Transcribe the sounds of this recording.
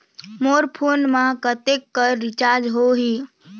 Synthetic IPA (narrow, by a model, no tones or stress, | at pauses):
moɾpʰoːnmãkət̪ekːəɾːɪt͡ʃaːɾd͡ʒɦoɦiː